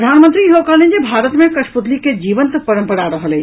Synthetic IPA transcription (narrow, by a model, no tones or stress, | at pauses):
d̪ʱaːnmənt̪ɾiɦokəlẽnd͡ʒebʱaːɾət̪mẽkɐʃpud̪liked͡ʒiːʋənt̪pəɾə̃mpəɽaɾəɦəlẽ